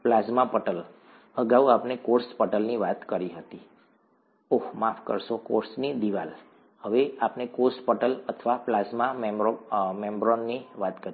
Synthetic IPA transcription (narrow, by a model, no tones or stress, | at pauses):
plazmapəʈəl | əɡauapnekoɾspəʈəlniʋat̪kəɾiɦət̪i | oɦmafʰkəɾʃokoɾsnid̪iʋal | həʋeapnekoɾspəʈələt̪ʰʋaplazmamemomembɾonːiʋat̪kəɾ